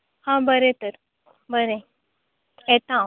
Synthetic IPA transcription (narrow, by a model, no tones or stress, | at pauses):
hãbəɾẽt̪əɾ | bəɾẽ | et̪ã